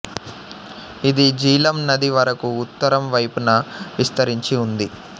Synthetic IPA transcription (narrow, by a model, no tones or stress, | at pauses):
id̪id͡ʒiːlɐmnɐd̪iʋɐɾɐkuːt̪ːɐɾɐmʋɐjpunɐʋist̪ɐɾiɲt͡ʃiund̪i